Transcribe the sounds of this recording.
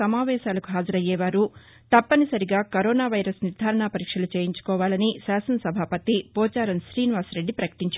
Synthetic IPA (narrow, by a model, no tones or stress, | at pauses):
ɐmaːʋɛːʃaːlɐkuɦaːd͡ʒɐɾɐjɛːʋaːɾu | t̪ɐpːɐnisɐɾiɡaːkɐɾɔːnaːʋɐjɾɐsniɾd̪ʱaːɾɐɳaːpɐɾiːkʂɐlut͡ʃeːjiɲt͡ʃu̥kɔːʋaːlɐnisaːsɐnɐsɐbʱaːpɐt̪ipɔːt͡ʃaːɾɐnʃɾiːniʋaːsɾe̞ɖːipɾɐkɐ̥ʈiɲt͡ʃ